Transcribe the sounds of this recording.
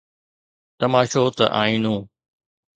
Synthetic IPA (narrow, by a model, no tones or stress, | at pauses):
t̪ɐmaːʃoːt̪ɐ̰ʔaːĩːnũː